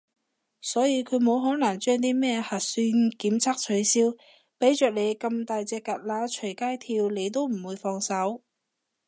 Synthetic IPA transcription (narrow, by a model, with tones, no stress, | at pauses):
sɔː˨˥jiː˨˧kʰɵ˨˧ɥmo˨˧wɦɔː˨˥nɐ˨˩ŋt͡ʃœː˥ŋt̪̬iː˥mɛː˥hɐ˨t̚syː˧˥nkiː˨˥mt͡sʰaː˥k̚t͡ʃʰɵ˨˧˥ɥsiː˥w | pe˨˥jt͡ʃœː˨k̚ne˨˧jkɐ˧mt̪aː˨˧jt͡sɛː˧kɐ˨t̚laː˨˥t͡ʃʰɵ˨˩kaː˥jt̪ʰiː˧wle˨˧jt̪̬o˥wm̩˨˩wuː˨˧jfɔː˧ŋsɐ˨˥w